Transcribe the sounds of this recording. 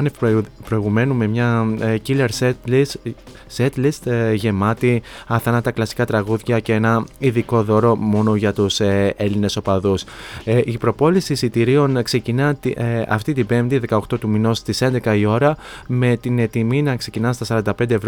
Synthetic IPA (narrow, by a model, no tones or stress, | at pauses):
npɾo̞iɣume̞nume̞mɲɐcileɾlis | set̪list̪ʝe̞mɐt̪iɐθɐnɐt̪ɐklɐsi̥kɐt̪ɾɐɣuðʝɐceenɐiðiko̞ðo̞ɾo̞mo̞no̞ʝɐt̪use̞line̞so̞pɐðusʔipɾo̞po̞lisisit̪iɾio̞nkse̞cinɐt̪iɐ̰ft̪it̪ibe̞mt̪iðe̞kɐo̞kt̪o̞t̪umino̞st̪ise̞nd̪e̞kɐio̞ɾɐme̞t̪ine̞t̪iminɐkse̞cinɐnst̪ɐsɐɾɐnd̪ɐpnd̪evɾ